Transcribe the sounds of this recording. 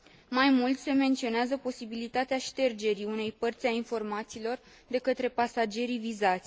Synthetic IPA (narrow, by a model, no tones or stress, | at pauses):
majmult̪sʲse̞me̞nt̪sio̞neazəpo̞sibilit̪at̪eaʃt̪e̞rd͡ʒe̞ɾiune̞jpərt̪sʲainfo̞rmat̪siːlo̞r | d̪e̞kət̪ɾe̞pasad͡ʒe̞ɾivizat̪sʲ